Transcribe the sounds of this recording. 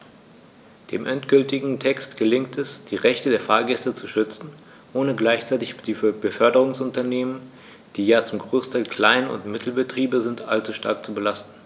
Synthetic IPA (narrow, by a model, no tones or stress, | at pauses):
d̥ḛːmʔɛntɡ̥ʏltɪɡŋ̩tʰɛkstɡ̥əlɪŋktʰɛsd̥iːʁɛçtədeːɐfaːɐɡɛstət͡suʃʏt͡sn̩ | ʔoːnəɡlaɪçt͡saɪtɪçd̥iːfbəfœɐdəʁ̞ʊŋsʊntɐneːmən | d̥iːjaːt͡sʊmɡʁoːstʰalkʰl̥aɪnʊ̰ntmɪtʰl̩bətʁ̥iːbəzɪntʔa̰lt͡suʃta̰ɐk̚t͡subəlastn̩